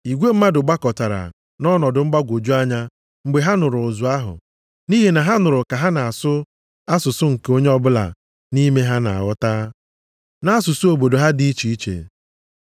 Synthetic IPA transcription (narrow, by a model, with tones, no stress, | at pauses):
i˨ɡʷe˦m̩˦ma˦dʊ˨ɡ͡ba˦kɔ˨ta˨ɾa̰˨ | nɔ˦nɔ˨dʊ˨ŋ͡m̩˦ɡ͡ba˦ɡʷo˨d͡ʒu˦a˦ɲa˦ | ŋ͡m̩˨ɡ͡be˨ɦa˦nʊ˨ɾʊ˨ʊ˨zʊ˨a˦ɦʊ̰˨ | ni˦ɦe˨na˨ɦa˦nʊ˨ɾʊ˨ka˨ɦa˦na˨a˨sʊ˦ | a˦sʊ˨sʊ˦ŋ̩˨ke˦o˦ɲe˦ɔ˦bʊ˦la̰˨ | ni˦me˦ɦa˦na̰˨a̰˨ɣɔ˦taː˦ | na˦a˦sʊ˨sʊ˦o˨bo˨do˨ɦa˦di˨˦i˦t͡ʃi˨i˦t͡ʃḛ˨